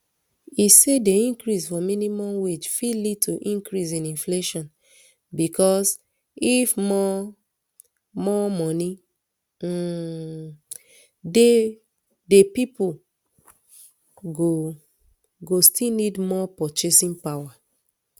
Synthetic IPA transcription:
isedeĩŋkɾisfɔmĩnimɔ̃mwed͡ʒfilituʔĩŋkɹis̬ĩnĩnfleʃɔ̃n | bikɔs | ifmɔ | mɔmɔni | de | depipu | ɡo | ɡostilnidmɔpɔt͡ʃesĩnpawa

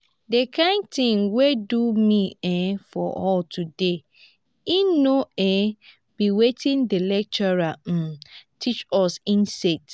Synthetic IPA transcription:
dekʰãɪ̃nt̪ĩŋwedumĩɛ̃fɔ̰ʔɔltʰude | inoɛ̃ | b̥iwetʰĩndelɛk̚t͡ʃɔɹatʰit͡ʃɔsĩnsɛt

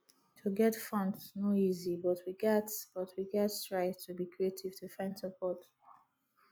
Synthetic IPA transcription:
tʰuɡɛtfʌ̃ntsnoizibʌtʰwiɡɛtsb̥ʌtʰwiɡɛtstɹaɪztʰubikʰɹietʰiv̥tʰufãɪ̃ndsəpʰɔt

